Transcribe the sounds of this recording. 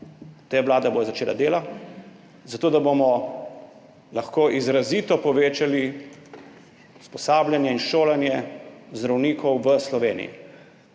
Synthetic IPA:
t̪eʋlaːd̪aboːjɔzat͡ʃeːlʔa̰d̪eːla | zat̪oːd̪abomɔ | laxkoːʔizɾaziːt̪ɔpɔʋeːt͡ʃali | u̥spɔsaːbljanjɛinʃoːlanjɛzd̪ɾawniːkʰɔwʋəslɔʋeːnḭjḭ

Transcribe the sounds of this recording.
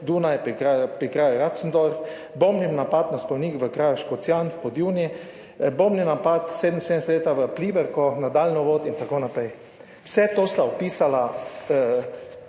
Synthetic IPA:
d̪uːnajɛpkapɾikɾaːjɾat̪sn̩d̪ɔɾ | bomninapat̪naspɔwnikʋəkɾaːjoʃkɔt̪sjanfpɔd̪juni | bomninapat̪seːd̪m̩sed̪nɛsɛt̪leːt̪aʋəpliːbɛɾkɔnad̪alnɔʋoːt̪int̪akoːnapɾɛj | wsɛt̪ost̪aɔpiːsalaə

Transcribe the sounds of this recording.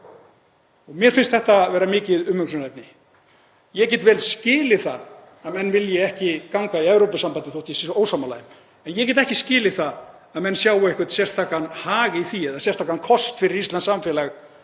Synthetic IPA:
ɔɣmjɛɾ̥fɪnst̪θɛht̪avɛːɾamɪːcɪðʏmːʏksnɛp̚nɪ | jɛcɛːt̪vɛlscɪːlɪθað | aðmɛnːvɪljɛɛhcɪkawŋkaiɛvɾowpasampant̪ɪθowht̪isoːwsamalaːjɪm | ɛnjɛcɛːt̪ɛhcɪscɪːlɪθað | aðmɛnːsjaːwaehkʏ̥t̪sjɛr̥st̪ʰaːkanhaːɣɪiθiɛðasjɛr̥st̪ʰaːkankʰɔst̪fɪɾɪɾist̪lansamfɛːlaɣ

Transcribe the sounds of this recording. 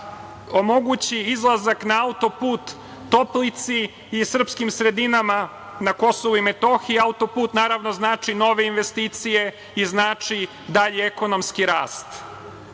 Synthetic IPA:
o̞mo̞ɡut͡ɕiizlˠazaknaaut̪o̞puːt̪ː | o̞plit̪siː | sr̩pskimsɾe̞d̪inama | nako̞soʋuimet̪o̞xiaut̪o̞puːt̪naːɾaʋno̞znaːt͡ʂino̞ʋe̞inʋest̪iːt̪sije̞ | iznaːt͡ʂi | d̪aʎeeko̞no̞mskiɾaːst̪

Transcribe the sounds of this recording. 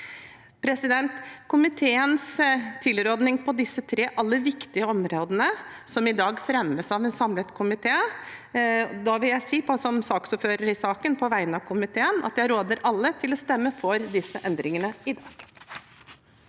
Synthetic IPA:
pʰɾɛsɪd̪ɛnt̪kʊmɪt̪ʰeːənst̪ʰɪlɾoːd̪nɪŋpʰɔd̪ɪsːət̪ʰɾeːʔɑlːəʋɪkt̪ɪəɔmɾoːd̪ənəsɔmɪd̪ɑːɡfɾɛməsɑʋɛnsɑmlət̪kʰʊmɪt̪ʰeː | d̪ɑʋɪljæɪsiːpʰɔsɔmsɑːksʊpføːɾəɾɪsɑːkənpʰɔʋæɪənɑʋkʰʊmɪt̪ʰeːənɑ̰t̪jæɪɾoːd̪əɾɑlːət̪ʰɪlɔst̪ɛmːəfɔɾd̪ɪsːəʔɛnd̪ɾɪŋənəɪd̪ɑːɡ̥

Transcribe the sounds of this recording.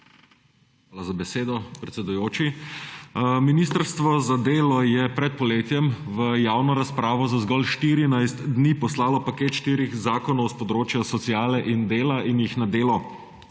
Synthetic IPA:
xʋaːlazabɛseːd̪ɔpɾɛt̪sɛd̪ujoːt͡ʃi | minist̪əɾst̪ʋɔzad̪eːlɔjɛpɾɛt̪̚pɔleːt̪jɛmʋəjaːwnɔɾaspɾaːʋɔzazɡɔlʃt̪iɾinajst̪d̪niːpɔslaːlɔpakeːt̪ʃt̪iːɾixzaːkɔnɔwspɔd̪ɾoːt͡ʃjɔsɔt̪sijaːlɛʔind̪eːlainjixnad̪eːlɔ

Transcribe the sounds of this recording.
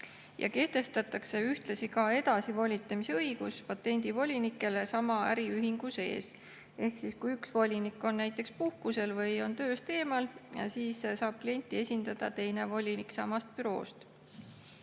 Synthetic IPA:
jɑ̰ke̞ht̪e̞st̪ɑt̪ːˑɑkse̞yht̪lɑsikɑe̞d̪̥ɑsivo̞lʲit̪ːˑemiseɤiɡ̥uspɑt̪ːˑe̞nʲd̪̥ivo̞lʲinikːˑe̞le̞sɑmɑæɾiyɦiŋɡ̥use̞̰ːs | e̞hksiskujyksvo̞lʲinikːˑo̞nːæjt̪ˑːe̞kspuhkuse̞lvɤjo̞nt̪ø̞ːst̪e̞ːmɑljɑ̰siːssɑːb̥̚klije̞nʲt̪ʲːˑie̞sʲind̪̥ɑd̪̥ɑ̰t̪e̞jne̞vo̞lʲiniksɑmɑst̪̚pyɾo̞̰ːst̪

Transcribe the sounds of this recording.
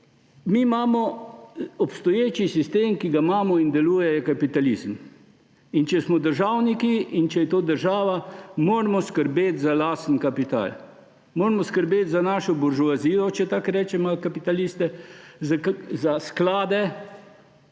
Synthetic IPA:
mimaːmɔ | ɔpst̪ɔjeːt͡ʃisist̪eːmkiɡamaːmɔind̪ɛluːjɛjɛkapit̪alizm | int͡ʃɛsmɔd̪əɾʒawnikiint͡ʃɛjɛt̪oːd̪əɾʒaːʋamoːɾmɔskəɾbeːt̪zalaːst̪n̩kapit̪a̰l | moːɾmɔskəɾbeːt̪zanaʃɔbɔɾʒuaziːlɔt͡ʃɛt̪akɾɛːt͡ʃɛmɔkapit̪alist̪ɛ | zasklaːd̪ɛ

